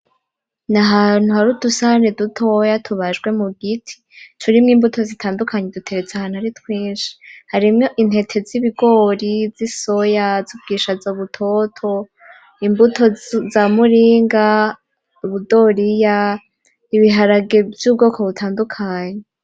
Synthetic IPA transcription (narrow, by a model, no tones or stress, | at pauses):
naɦaːn̥huhaɾudusahanedutʰo̞jatʰuβaʒɡwe̞muɡitʰi̥ | tʰuɾimŋiːmbutʰo̞zitʰaːndukʰaɲedutʰe̞ɾe̞t͡seaahaːn̥uhaɾitwiːnʃi̥haɾimŋoʔin̥he̞tʰe̞ziβiɡo̞ːɾiziso̞jazub̚ɡiːʃazoβutʰo̞tʰo̞ | imbutʰo̞zamuɾiːŋɡa | uβudo̞ɾija | iβiɦaɾaɡe̞vjuːb̚ɡo̞ːkʰo̞βutʰaːndukʰaːɲe